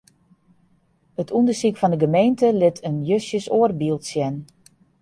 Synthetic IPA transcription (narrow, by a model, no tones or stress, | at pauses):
ətʰundəsikfɔndəɡəmejntəlɪtʰənjøsjəsoərbilˠtsjɛn